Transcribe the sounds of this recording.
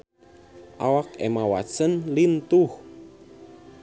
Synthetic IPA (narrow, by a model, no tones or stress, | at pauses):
ʔawakɛ̰mawa̰sənlint̪uh